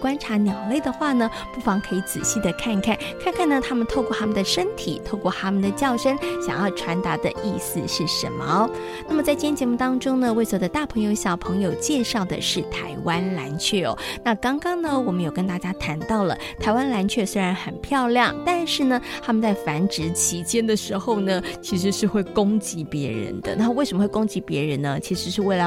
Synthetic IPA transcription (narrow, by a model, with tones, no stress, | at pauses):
kwa˥nʈ͡ʂʰa˧˥njɑ˨˩ʊle˥˩ɪd̪ə˩xwa˥˩nə˩ | pu˥˩fɑ˧˥ŋkʰɤ˧˥i˧˥t͡sɹ̩˨˩ɕi˥˩d̪ə˩kʰa˥˧nkʰa˥˩nkʰa˥˧nkʰa˥˩nə˩t̪ʰa˥mə˨nt̪ʰo˥˧ʊkwɔ˥˧˩t̪ʰa˥mə˨nd̪ə˩ʂə˥nt̪ʰi˨˩˦t̪ʰo˥˧ʊkwɔ˥˩t̪ʰa˥mə˨nd̪ə˩t͡ɕjɑ˥˩ʊʂə˥ŋɕjɑ̰˨˩ŋjɑ˥˩ʊʈ͡ʂʰwa˧˥nt̪a˧˥d̪ə̰˧ʔi˥˩sɹ̩˨ʂɻ̩˥˩ʂə̰˧˥nmə˧ | na˥˩mə˩t͡sa˥˩ɪt͡ɕjɛ˥t͡ɕjɛ˧˥mu˥˩t̪ɑ˥ŋʈ͡ʂʊ˥ŋnə˨we˥˩ɪswɔ˧˥d̪ə˧t̪a˥˩pʰɤ˧˥ŋjo˧ʊɕjɑ˨˩ʊpʰɤ˧˥ŋjo˨˩ʊt͡ɕjɛ˥˧ʂɑ˥˩ʊd̪ə̰˨˩ʂɻ̩˥˩t̪ʰa˧˥ɪwa˥nla˧˥nt͡ɕʰɥɛ˥˩ɔ̰˨˩˦na˥˩kɑ˥ŋkɑ˥ŋnə˨wɔ˨˩mə˦jo˨˩ʊkə˥nt̪a˥˩t͡ɕja˥t̪ʰa˧˥nt̪ɑ˥˩ʊlə̰˩t̪ʰa˧˥ɪwa˥nla˧˥nt͡ɕʰɥɛ˥˩swe˥ɪɻa˧˥nxə˨˩npʰjɑ˥˧ʊljɑ˥˩ŋt̪a˥˧nʂɻ̩˥˩nə˩t̪ʰa˥mə˨nt͡sa˥˩ɪfa˧˥nʈ͡ʂɻ̩˧˥t͡ɕʰi˧˥t͡ɕjɛ˥nd̪ə˨ʂɻ̩˧˥xo˥˧˩ʊnə˩t͡ɕʰi˧˥ʂɻ̩˧˥ʂɻ̩˥˧xwe˥˩ɪkʊ˥ŋt͡ɕi˧˥pjɛ˧˥ɻə̰˧˦nd̪̥ə̰˧˦na˥˩˧we˥˩ʂə˧mə˧xwe˥˩˧ko˥ŋt͡ɕi˧˥pjɛ˧˥ɻə˧˥nnə˧t͡ɕʰi˧˥ʂɻ̩˧˥ʂɻ̩˥˧we˥˩ɪlə˧˦